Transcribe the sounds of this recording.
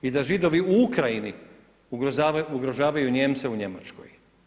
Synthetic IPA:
id̪aʒid̪o̞ʋiuukɾajini | auɡɾo̞ʒaːʋajuɲe̞ːmt̪seuɲe̞mat͡ʃko̰j

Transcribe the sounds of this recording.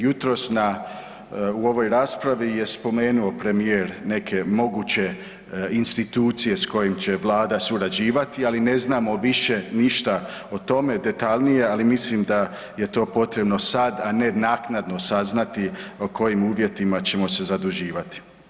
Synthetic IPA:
jut̪ɾo̞sna | uo̞ʋo̞jɾaːspɾaʋije̞spo̞me̞ːnuo̞pɾe̞mijeːɾne̞kʰe̞mo̞ɡuːt͡ɕe̞ | inst̪it̪uːt̪sije̞sko̞jimt͡ɕe̞ʋlˠaːd̪asuɾad͡ʑiːʋat̪ialine̞znaːmo̞ʋiʃe̞niʃt̪aot̪o̞me̞d̪e̞t̪aʎnije̞alimislimd̪a | je̞t̪o̞ːpo̞t̪ɾe̞bno̞sad̪ane̞naːknad̪no̞saznat̪iokʰo̞jimuːʋje̞t̪imat͡ɕe̞mo̞se̞zad̪uʒiːʋat̪i̥

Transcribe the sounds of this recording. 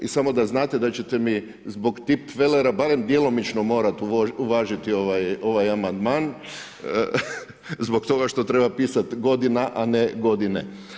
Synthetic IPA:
isamo̞d̪aznaːt̪ed̪at͡ɕe̞t̪e̞mi | zbo̞ɡt̪ipʋeleɾabaɾe̞md̪jelˠo̞mit͡ʃno̞mo̞ːɾat̪uuʋaːʒit̪io̞ʋajo̞ʋajamand̪maːn | zbo̞kt̪o̞ɡaʃt̪o̞t̪ɾe̞bapiːsat̪ɡo̞d̪inaʔaneɡo̞d̪inḛ

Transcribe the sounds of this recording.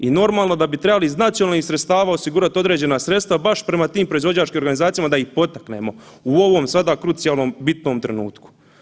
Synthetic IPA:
ino̞ɾmaːlˠno̞d̪abit̪ɾe̞baliznat̪sjonaːlnixsɾet̪st̪aːʋaːo̞siɡuɾat̪o̞d̪ɾeːd͡ʑe̞nasɾe̞t̪st̪ʋabaʃpɾe̞mat̪iːmpɾo̞izvo̞d͡ʑaːt͡ʃkimoɾɡanizaːt̪sijamad̪aihpo̞t̪akne̞̰mo̞ | uo̞ʋo̞ːmsad̪aːkɾut̪sijaːlˠnombit̪no̞ːmt̪ɾenṵːt̪ku̥

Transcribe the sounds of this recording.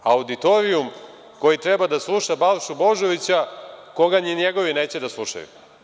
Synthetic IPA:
aud̪it̪oɾium | ko̞jit̪ɾebad̪aslˠuʃabalʃubo̞ʒo̞ʋit͡ɕako̞ɡaɲiɲeɡo̞ʋineːt͡ɕed̪aslˠuʃa̰jṵ

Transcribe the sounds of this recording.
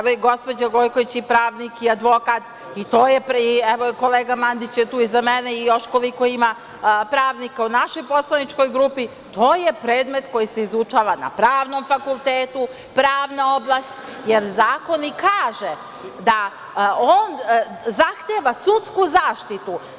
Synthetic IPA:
eʋoiɡo̞spod͡ʑaɡo̞jko̞ʋit͡ɕipɾaːʋnikiad̪ʋo̞kaːt̪ | it̪oːjepɾiɛʋoko̞leːɡamand̪it͡ɕjet̪uːizameneijo̞ʃko̞liko̞ima | pɾaːʋnikaunaʃo̞jpo̞slˠanit͡ʃko̞jɡɾupi | t̪ʰoːjepɾe̞ːd̪me̞t̪ko̞jise̞izut͡ʃaːʋana̰pɾaːʋno̞mfakulˠt̪eːt̪u | pɾaːʋnaoblˠast̪ | jeɾzaːko̞nikʰaːʒe | d̪a | oːnzaxt̪eʋasut̪skuzaːʃt̪it̪u

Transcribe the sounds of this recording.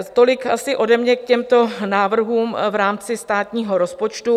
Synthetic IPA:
t̪o̞lɪkasɪʔo̞dɛmɲɛkcɛmt̪o̞naːvr̩ɦuːmvɾaːmt͡sɪst̪aːt̪ɲiːɦo̞ɾospo̞t͡ʃt̪u

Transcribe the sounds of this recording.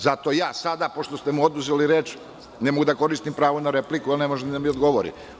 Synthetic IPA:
zat̪o̞jaːsad̪apo̞ʃt̪ost̪e̞muo̞d̪uzeliɾet͡ʃ | nemoɡud̪ako̞ɾist̪impɾaːʋonaɾe̞plikualne̞mo̞ʒeid̪amiod̪ɡo̞ʋoɾḭ

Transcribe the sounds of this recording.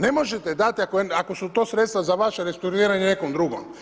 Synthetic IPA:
nemo̞ʒet̪ed̪at̪iakoeakosut̪osɾt̪st̪ʋazaʋaʃeɾest̪oɾiːɾaɲenekomd̪ɾuɡo̰m

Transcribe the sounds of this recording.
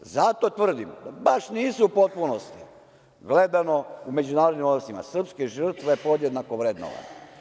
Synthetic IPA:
zat̪o̞t̪ʋr̩d̪imd̪abaʃniːsuupo̞t̪̚punost̪i | ɡle̞d̪ano̞ume̞d͡ʑunaːɾod̪nimod̪ɾosima̰sr̩pskeʒr̩t̪ʋaepo̞d̪je̞d̪nako̞ʋɾe̞d̪no̰ʋa̰ne

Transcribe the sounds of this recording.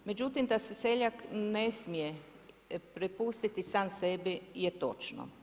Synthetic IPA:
me̞d͡ʑut̪imd̪asese̞ʎaknesmije | pɾepust̪it̪isaːmse̞bijet̪o̞̰t͡ʃno̰

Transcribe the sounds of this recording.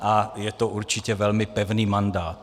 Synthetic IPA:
ʔajɛt̪oʔuɾt͡ʃɪcɛvɛlmɪpɛvniːmandaːt̪

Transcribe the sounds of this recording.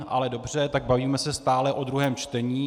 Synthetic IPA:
ʔa̰lɛdo̞br̝ɛt̪aɡ̚baviːmɛsɛst̪aːlɛʔo̞d̪ɾuɦɛːmt͡ʃt̪ɛɲiː

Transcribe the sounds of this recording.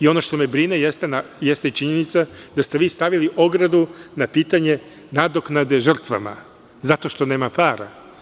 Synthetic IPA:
io̞noʃt̪o̞mebɾine̞jest̪enajest̪eit͡ʃiɲe̞nit̪sad̪ast̪e̞ʋiːst̪aʋiliʔo̞ɡɾad̪unapiːt̪aɲe̞ | nad̪o̞knad̪e̞ʒr̩t̪ʋa̰ma̰ | zat̪o̞ʃt̪o̞ne̞ːmapaːɾa̰

